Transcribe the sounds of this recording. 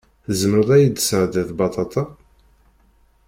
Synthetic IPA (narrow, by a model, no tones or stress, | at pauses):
θzəməɾˤæjəd̪əsɾd̪æθbɑt̪ˤɑt̪ˤɑ